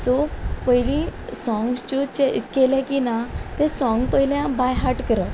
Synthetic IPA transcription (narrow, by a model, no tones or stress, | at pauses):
sopəjlĩsɔ̃ŋɡst͡ɕot͡ɕekelɛ̃kinat̪ẽsɔ̃ŋɡpəiljãbajɦaɾʈkəɾə